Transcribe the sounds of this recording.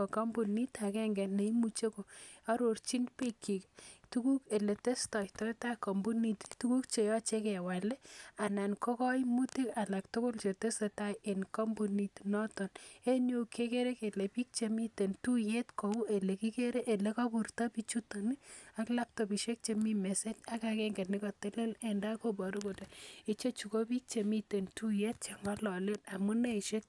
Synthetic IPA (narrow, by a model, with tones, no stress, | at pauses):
ɔka˦mbu˨ni˦ta˨kɛ˦ŋɡɛ˨nːe˨imut͡ʃe˦ko˨a˦ɾort͡ʃi˦npe˦kːi˨ktu˦ku˦ke˨le˨te˦stɔ˨itɔ˦ta˦kɔ˨mbu˦ni˨ttuku˦k̚t͡ʃe˨jɔ˦t͡ʃekɛwa˨le˦a˨na˨nkɔ˦kɔ˦jmuti˦ka˨la˨ktʊkʊ˦lt͡ʃe˨te˦seta˦jenkɔ˦mbu˨ni˨tnɔtɔ˨ne˦njo˦kʰe˦ke˦ɾe˦ke˨le˨pi˦k̚t͡ʃe˨mi˦te˨ntu˦je˦tko˨u˦ʔe˨le˨ki˦ke˦ɾe˦ʔe˨le˦kɔ˦pu˨rta˦pi˦t͡ʃu˦to˨nia˦kla˦p̚to˨pi˨ʃe˦k̚t͡ʃe˨mi˦me˨se˦t͡ʃa˦kakɛ˦ŋɡe˨t̚nɪ˦kɔ˨te˦le˦le˨nda˦ko˦bɔ˨ɾu˦ko˨te˨i˦t͡ʃo˦t͡ʃu˨ko˦pi˦k̚t͡ʃe˨mi˦te˨ntu˦je˦t̚t͡ʃe˨ŋa˦lɔ˨le˦na˨mu˦ne˦˨ʃe˦k̚